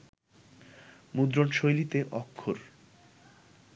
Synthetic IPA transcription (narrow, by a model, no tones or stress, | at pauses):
mud̪ɾonʃojlit̪eʔɔkʰːoɾ